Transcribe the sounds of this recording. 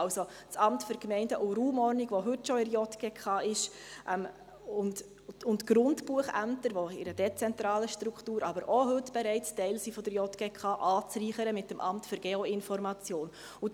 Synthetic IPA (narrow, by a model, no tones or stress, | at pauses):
lso | t͡sɑmtføɾkmɛɪndəʔuɾuːmɔrniɡʋɔɦɵtʃɔɪɾjɔtɡ̥ekχɑːʔɪʃ | ʔɛm | ʊnt | ʊntɡ̥ɾʊndb̥uəχæ̰mtəɾʋoɪ̰ɾəd̥ɛt͡sɛnt̪ɾɑːləʃtɾuktuːɾʔɑbəɾʔɔɦɵtb̥ɛɾɛɪttɛɪlsifɔd̥̪əɾjɔtɡ̥ekχɑːʔɑːt͡sriːχəɾəmɪtːəmʔɑmtføɾɡ̥eɔɪnfɔɾmɑt͡sjoːn | ʊ